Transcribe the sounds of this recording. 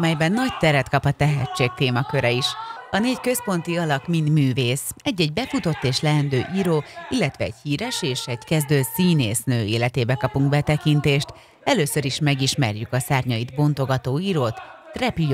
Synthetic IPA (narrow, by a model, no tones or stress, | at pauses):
mɛjbɛnːɒct̪ɛɾɛt̪kɒpɒt̪ɛɦɛt͡ʃːeːk̚t̪eːmɒkø̞ɾɛiʃɒneːckø̞spo̞nt̪iɒlɒkmind̪myːveːsɛɟːɛɟ̚bɛfut̪o̞t̪ːeːʃlɛɛnd̪øːʔiːɾoːilːɛt̪ʋɛ̰ːɟhiːɾɛʃeːʃɛɟkɛzd̪øːsiːnḛːsnøːeːlɛt̪eːbɛkɒpuŋɡ̚bɛt̪ɛkint̪eːʃt̪ | ɛløːsø̞ɾiʃmɛɡiʃmɛ̰rjykɒsaːrɲɒjid̪bo̞nt̪o̞ɡɒt̪oːiːɾoːt̪ːrɛpi